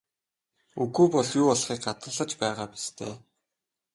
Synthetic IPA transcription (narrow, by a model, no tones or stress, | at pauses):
uɣuːpɔɮjuːɔɮχiːk̚ɢat̪ə̆ɮə̆t͡ɕpæːʁaːpi̥st̪ʰḛː